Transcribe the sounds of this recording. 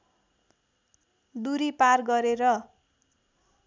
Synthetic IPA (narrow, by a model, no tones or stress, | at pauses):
d̪uɾiparɡʌɾeɾʌ